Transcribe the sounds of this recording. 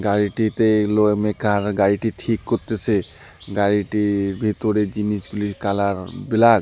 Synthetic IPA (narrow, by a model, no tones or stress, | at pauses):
ɡaɹiʈit̪elomekʰaɾɡaɹiʈiʈʰikːot̪et͡ʃʰe | ɡaɹiʈibʱit̪ɔɾed͡ʑinisɡulikalaɾbilaɡ